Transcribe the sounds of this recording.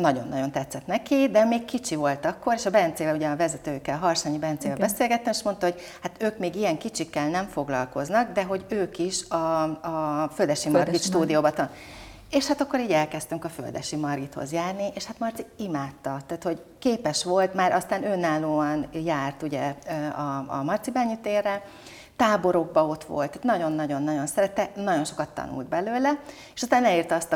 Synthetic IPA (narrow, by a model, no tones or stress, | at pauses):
nɒɟo̞̰nːɒɟo̞nt̪ɛt̪sːɛt̪nɛkid̪ɛmeːkkit͡ʃivo̞lt̪ɒkːo̞ɾeːʃɒbɛnt̪seːvɛluɟɛɒvɛzɛt̪øːkːɛlɦɒrʃaːɲibɛnt̪seːvɛlbɛseːlɡɛt̪ːɛmeːʃmo̞nt̪ɒɦo̞ɟ | hat̪øːkmeːɡijɛŋkit͡ʃikːɛlnɛɱfo̞ɡlɒ̰lko̞znɒɡd̪ɛɦo̞ɟøːkiʃɒː | føld̪ɛʃimɒrɡit̪ʃt̪uːd̪ijoːbɒt̪ | eːʃhat̪ɒkːo̞ɾiːɟɛlkɛst̪yŋkɒfø̰ld̪ɛ̰ʃimɒrɡit̪ho̞̰zjaːrnieːʃhat̪mɒrt̪siimaːt̪ːɒt̪aːt̪ho̞ɟ | keːpɛʃʋo̞lt̪maːɾʔɒst̪aːnøːnːaːloːɒnjaːrt̪uɟɛɒɒ̰mɒrt̪sibɛɲːyt̪eːrːɛ | t̪aːbo̞ɾo̞ɡ̚bɒo̞t̪ʋo̞̰lt̪ːt̪nɒɟo̞nːɒɟo̞nːɒɟo̞nsɛɾɛt̪ːɛnɒɟo̞nʃo̞kɒt̪ːɒ̰nṵld̪̚bɛløːlɛ | eʃɒst̪aːnɛliːrt̪ɒɒst̪ɒ